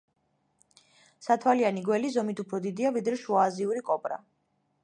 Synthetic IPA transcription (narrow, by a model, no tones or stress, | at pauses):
sat̪ʰwalianiɡwɛlizɔmit̪ʰupʰɾɔd̪id̪iavid̪ɾɛʃuaːziuɾikʼɔpʼɾa̰